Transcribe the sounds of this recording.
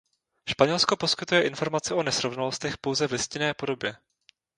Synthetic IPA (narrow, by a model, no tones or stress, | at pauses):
ʃpaɲɛlsko̞po̞skɪt̪ujɛʔɪnfo̞ɾmat͡sɪʔo̞nɛsɾo̞vnalo̞st̪ɛxpo̞wzɛvlɪscɪnɛːpo̞do̞bjɛ